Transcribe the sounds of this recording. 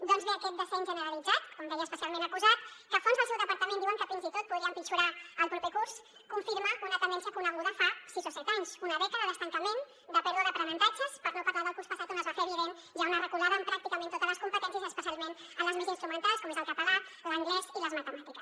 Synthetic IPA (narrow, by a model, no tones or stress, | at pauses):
d̪ɔnzβeəkɛt̪̚d̪əfɛnʒənəɾəlid͡zat̪kɔmd̪ɛjəːspəsialˠmẽnəkuzat̪̚kəfonzðəlˠsɛwðəpəɾt̪əmẽnd̪iwəŋkəfinzit̪ot̪̚puðɾiəmpit͡ʃuɾaəlˠpɾupekus | kuɱfiɾmaʔunət̪ənd̪ɛns̬jəkunəɣuðəfasizosɛt̪aɲzunəβɛkəðəðəst̪əŋkəmen | d̪əpɛɾðwəðəpɾənənt̪ad͡ʒəspəɾnopəɾlaðəlˠkurspəsat̪unəzβafɛβiðen | ʒawnərəkulaβəmpɾak̚t̪ikəment̪ot̪əzləskumpət̪ɛns̬jəzəspəs̬ialˠmen | əmləzmezinst̪ɾumənt̪alˠskɔmezəlˠkapəɣat̪̚ | ləŋɡlɛziləzmət̪əmat̪ikəs